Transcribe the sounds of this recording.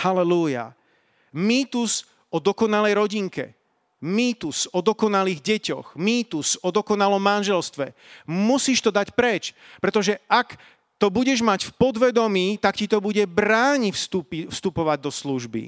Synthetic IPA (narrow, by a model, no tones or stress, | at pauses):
halɛluja̰ | miːt̪us | ɔd̪ɔkɔnalɛjɾɔɟiŋkɛ̰ | miːt̪usɔd̪ɔkɔnaliːɣɟɛcɔ̰xmiːt̪usɔd̪ɔkɔnalɔmːanʒɛlst̪ʋɛmusiːʃt̪ɔd̪acpɾɛt͡ʃ | pɾɛt̪ɔʒɛʔak | t̪ɔbuɟɛʒmacfpɔd̪ʋɛd̪ɔmiːt̪akcit̪ɔbuɟɛbɾaːɲifst̪upifst̪upɔʋaɟ̚d̪ɔsluʒbḭ